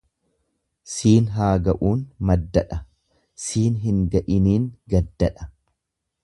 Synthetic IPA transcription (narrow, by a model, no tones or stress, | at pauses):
siːnɦaːɡɐʔuːnmɐd̪ːɐᶑɐ | siːnɦɪŋɡɐʔɪniːŋɡɐd̪ːɐᶑɐ̥